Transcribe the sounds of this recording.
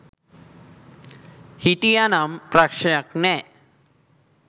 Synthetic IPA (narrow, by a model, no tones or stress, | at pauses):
hit̪ijanampɾakʂjaknɛ